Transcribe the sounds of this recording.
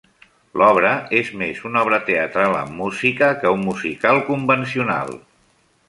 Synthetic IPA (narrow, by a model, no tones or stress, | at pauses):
lɔβɾəezmezunɔβ̞ɾət̪eət̪ɾalə̰mːuzikəkəumːuzikalˠkumbəns̬iuna̰lˠ